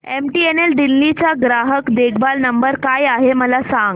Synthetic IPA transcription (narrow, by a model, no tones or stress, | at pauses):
emʈienelɖilːit͡ɕaɡɾaɦəkd̪ekʰbalnəmbəɾkajaɦeməlasãŋɡ